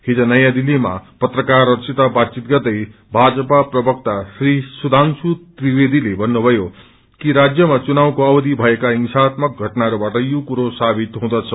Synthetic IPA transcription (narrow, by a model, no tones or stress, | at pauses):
hid͡zʌnʌjãd̪ilːima̰pʌt̪rʌkarːʌsʰit̪abat̪t͡sit̪̚ɡʌt̪ʌj | bʱad͡zʌpaprʌbʌk̚t̪asrisud̪ʱansut̪ribed̪ilebʱʌnːubʱʌjo | kiɾad͡zjʌmat͡sunaw̃koʌbʌd̪ibʱʌekaiŋsat̪mʌk̚ɡʱʌʈnaɾubaʈʌjukuɾosabit̪ɦũd̪ʌt͡sʰʌ